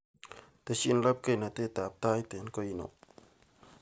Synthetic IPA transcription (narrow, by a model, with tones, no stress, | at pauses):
t̪e˧ʃi˦˨n˦la˦p̚ke˦˧jna˨t̪e˦˧˨t̪a˨p̚t̪a˦jt̪e˨˦nko˧ji˧˨no̰˨ʔ